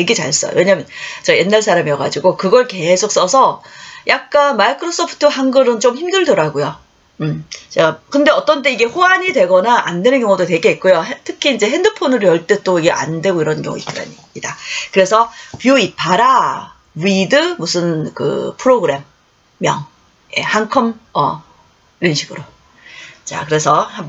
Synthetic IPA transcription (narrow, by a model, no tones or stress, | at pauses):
jeɡit͡ɕa̰ɭs͈ʌ̰jo̰we̞ɲamjʌnt͡ɕʌje̞nːaɭsʰaɾamijʌɡa̰d͡ʑiɡokɯɡʌɭke̞sʰok̚s͈ʌsʰʌjʔak̚k͈anmaikʰɯɾos͈ʰopʰɯ̥tʰɯɦaŋɡɯɾɯnt͡ɕomçimdɯɭdɯɾaɡojo | ɯmt͡ɕeɡakɯnde̞ʌt͈ʌnteiɡe̞ɸoaɲidwe̞ɡʌnaʔandwe̞nɯnkjʌŋodotwe̞ɡeik̚k͈ojoɦtʰɯkʰiːnd͡ʑe̞ɦe̞ndɯpʰonɯɾojʌɭt͈e̞t͈oiɡe̞ʔa̰ndwe̞ɡoiɾʌnkjʌ̰ŋṵḭt͈ɯɾa̰ɲi | idakɯɾe̞sʰʌpjuipʰaɾa | widɯmusʰɯnkɯ̰pʰɯɾoɡɯɾe̞mː | jʌ̰ŋ | je̞̰haŋkʰɯmʌ | iɾʌnɕʰiɡɯɾo | t͡ɕa̰kɯɾe̞sʰʌham